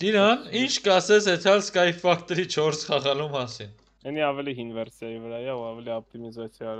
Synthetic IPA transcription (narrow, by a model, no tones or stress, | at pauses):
d̪̥iɾɑnint͡ʃʰkɑsɛt͡sʰɛt̪ʰɑlskɑjfɑkʰt̪ɛɾit͡ʃʰɔɾsχɑʁɑlumɑsin | ɛniɑvɛliɦinvɛɾsjɑjivəɾɑjɛuɑvɛliɔp̚t̪imizat͡sʰja